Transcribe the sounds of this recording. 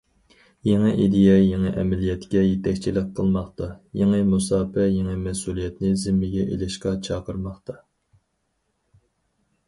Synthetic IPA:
jeŋɨʔid̪ɪjɛjeŋɨʔɛmɛlijɛt̪kʲɛjet̪ʰɛkʲt͡ʃʰilɪqqʰːəlˠmɑχt̪ɑjeŋɨmusɑːpɛjeŋɨmɛsulˠijɛt̪nɪzɪmːɪɡʲɛʔḛlɪʃqɑt͡ʃʰɑːqəɾmɑχt̪ɑ

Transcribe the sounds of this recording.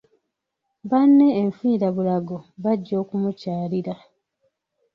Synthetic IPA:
βanːe̞ːɱfiːɾaβulaɡoβaɟːo̞ːkumucaːliɾa

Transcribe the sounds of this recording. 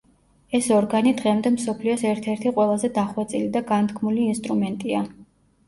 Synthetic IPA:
ɛsɔɾɡanid̪ʁɛmd̪ɛmsɔpʰliɔsɛɾt̪ʰɛɾt̪ʰiqʼwɛlˠazɛd̪aχwɛt̪sʼilid̪aɡant̪ʰkʰmuliːnst̪ʼɾumɛnt̪ʼia

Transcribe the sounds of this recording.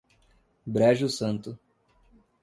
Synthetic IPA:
bɾɛʒʊsɐ̃nt̪ʊ

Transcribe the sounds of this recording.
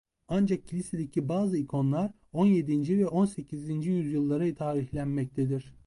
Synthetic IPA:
and͡ʒak̚cʰːilʲised̪ecʰibaːzɯikʰo̞nlˠaɾ | o̞nje̞d̪ind͡ʒivɛʔo̞nse̞cʰizind͡ʒijyzjɯlˠːaɾɯjɯt̪ʰaːɾiçlʲænmɛc̚t̪ʰed̪iɾ̥

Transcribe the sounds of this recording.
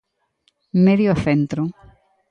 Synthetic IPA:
meðjoθent̪ɾo

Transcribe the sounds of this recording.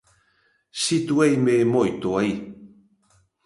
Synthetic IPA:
sit̪uajmeːmojt̪oaj

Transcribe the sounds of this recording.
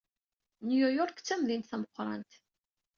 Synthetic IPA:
njujɔɾˤkt͡sːæmðint̪θæməqʷːɾˤɑ̰nt̪

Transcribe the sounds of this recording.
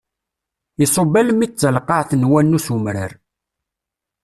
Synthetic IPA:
isˤobæləmit͡sːəlqːɑʕθnwænːusumɾə̰ɾ

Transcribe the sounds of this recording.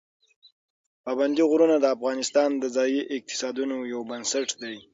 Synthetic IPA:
pɑband̪iɣɾunad̪əafɣɑnɪst̪ɑnd̪əzɑjiʔɪq̚t̪ɪ̥sɑd̪unojawbənsaʈd̪aj

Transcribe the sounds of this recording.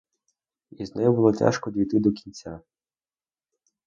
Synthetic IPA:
iznɛjubʊlˠɔtʲa̰ʃkɔdʲijt̪ɪd̪ɔkʲinʲt͡sʲa

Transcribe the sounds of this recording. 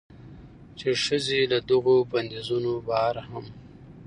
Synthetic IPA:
t͡ʃeʂəzelad̪aɣoband̪ezunobaɑɾaham

